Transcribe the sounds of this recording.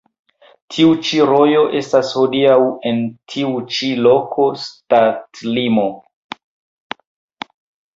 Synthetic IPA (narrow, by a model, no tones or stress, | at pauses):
tʰiut͡ʃiɾo̞jo̞ʔe̞stasho̞diawe̞ntʰiut͡ʃilo̞kʰo̞statlimo̞